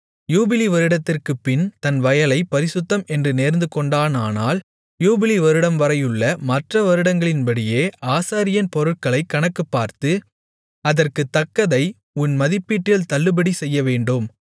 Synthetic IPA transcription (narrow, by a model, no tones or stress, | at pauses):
juːbɪliʋɐɾɯɽɐt̪ːɪrkɯpːɪnt̪ɐnʋɐjɐlɐɪpɐɾɪsɯt̪ːɐmɛndrɯneːɾnd̪ɯkɔɳɖaːnaːnaːl | juːbɪliʋɐɾɯɽɐmʋɐɾɐjɯɭːɐmɐʈrɐʋɐɾɯɽɐŋɡɐɭɪnpɐɽɪjeːaːsaːɾɪjɐnpɔɾɯʈ̚kɐɭɐɪkːɐɳɐkːɯpːaːɾt̪ɯ | ɐðɐrkɯt̪ːɐkːɐðɐɪ | ʊnmɐðɪpːiːʈːɪlt̪ɐlːɯbɐɽisɛjːɐʋeːɳɖɯm